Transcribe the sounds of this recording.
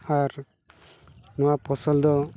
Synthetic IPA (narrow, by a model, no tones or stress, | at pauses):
aɾ | nuwapɔsɔld̪ɔ